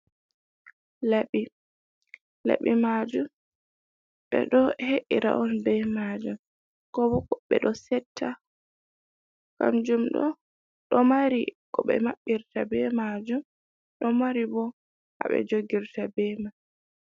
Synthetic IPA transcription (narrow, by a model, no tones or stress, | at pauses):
laɓi | la̰ɓimad͡ʒum | ɓɛ̰ɗɔheʔiɾa̰ʔɔnbɛmad͡ʒum | kɔbɔkɓɛ̰ɗɔsɛtʰːa | ka̰nd͡ʒumɗɔ̰ | ɗɔmaɾikɔɓɛ̰maɓːiɾtabɛmad͡ʒum | ɗɔmaɾibɔ | ha̰ɓɛ̰d͡ʒoɡiɾtabɛma